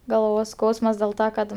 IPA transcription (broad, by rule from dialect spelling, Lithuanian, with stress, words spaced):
ɡɐlˠˈʋoːs ˈskɐʊsmɐs dʲeːlˠ ˈtɐ kɐt